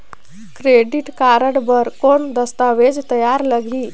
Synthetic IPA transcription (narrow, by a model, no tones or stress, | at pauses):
kɾeɖiʈkaɾəɽbəɾkoɳd̪əst̪aʋed͡zt̪əjaɾləɡʱi